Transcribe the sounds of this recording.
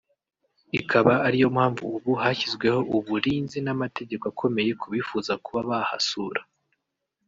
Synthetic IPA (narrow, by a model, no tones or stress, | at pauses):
ikʰaβaːɾijo̞mhaːɱvṵːβuhaçizɡwe̞ho̞ʔuβuɾiːnzinamate̞ɟe̞koakʰo̞me̞je̞kʰuβifuːzakuβaβaha̰suɾḁ